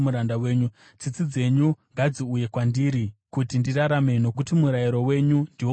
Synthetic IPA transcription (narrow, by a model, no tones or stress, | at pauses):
uɾandawe̞ːɲu | t͡sit͡sid͡ze̞ɲuŋɡad͡ziuje̞kwandiɾikutindiraɾame̞no̞k̬utimuɾajiɾo̞we̞ɲundiwo